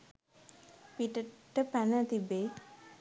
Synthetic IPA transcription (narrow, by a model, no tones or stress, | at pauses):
piʈəʈːəpænət̪ibeː